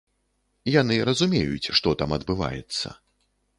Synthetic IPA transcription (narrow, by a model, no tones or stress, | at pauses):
jan̪ɨɾɐzumʲejṵt͡sʲʂt̪ɔt̪amɐd̪bɨva̰jɛ̰t̪sːɐ̰